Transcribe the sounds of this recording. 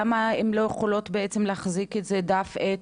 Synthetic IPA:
amaemlo̞jeχolo̞t̪beet͡semleaχziketzedafet

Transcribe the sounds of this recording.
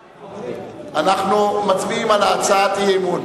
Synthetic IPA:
anaχnumat͡smiːmalaat͡saːt̪iɦemu

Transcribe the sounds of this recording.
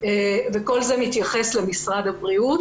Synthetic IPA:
eveko̞lzemit̪jaχe̞slemisʁad̪abʁiut̪

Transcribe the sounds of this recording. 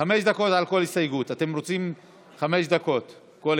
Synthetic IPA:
ameʃd̪ako̞tʕalko̞lhisajɡutatemʁot͡sim | χame̞ʃd̪ako̞t | kol

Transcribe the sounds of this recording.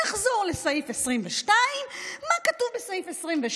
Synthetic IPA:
aχzo̞ʁlesajifesʁimveʃtaimːakatuvbesajifesʁimveʃ

